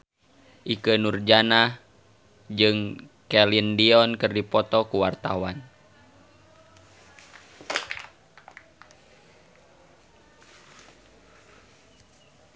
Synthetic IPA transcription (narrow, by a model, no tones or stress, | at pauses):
ʔikənurd͡ʒanah | d͡ʒɨŋkɛlindiɔnkɨrdipɔt̪ɔkuwart̪a̰wan